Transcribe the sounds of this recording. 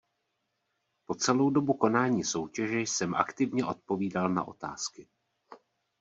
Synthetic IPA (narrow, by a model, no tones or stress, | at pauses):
po̞t͡sɛlo̞wdo̞buko̞naːɲiːso̞wcɛʒɛjsɛmʔa̰kt̪ɪvɲɛʔo̞t̪̚po̞viːdalna̰ʔo̞̰t̪a̰ːskɪ